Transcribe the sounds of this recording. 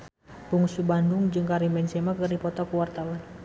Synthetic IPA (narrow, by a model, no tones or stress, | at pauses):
puŋsubandʊŋd͡ʒɨŋkaɾimbɛnsɛmakɨrdipɔt̪ɔkuwart̪awan